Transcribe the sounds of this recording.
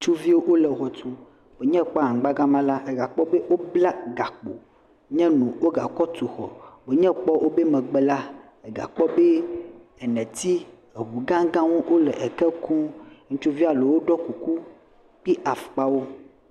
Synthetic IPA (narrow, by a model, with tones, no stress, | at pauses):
ŋ̩˦t͡ʃu˦vi˦wo˦ʔwo˦lɛ˨ɣɔ˨t̪u˨ | b̥e˨ɲɛ̃˦˨k͡pa˦a˨ɡ͡ba˦ɡã˦mã˦la˦ʔe˨ɡa˨k͡pɔ˦be˦wo˦bla˦ɡa˨k͡po̰˨ | ɲɛ̃˦nũ˨wo˦ɡa̰˨kɔ˦t̪u˨xɔ̰˨be˨ɲɛ̃˦k͡pɔ˦ʔo˦be˦mɛ̃˨ɡ͡be˨la˦ | e˨ɡa̰˨k͡pɔ˦be˦ɛ˨nɛ̃˨t̪i˦ | e˨wu˨ɡã˦ɡã˦wo˦ʔo˦lɛ˨ʔe˨kɛ˦kũ˦ŋ̩̃˦t͡ʃu˦vi˦a˨le˨wo˦ɖɔ˦ku˨ku˦ | k͡pi˦ʔa˨fk͡pa˦wo˦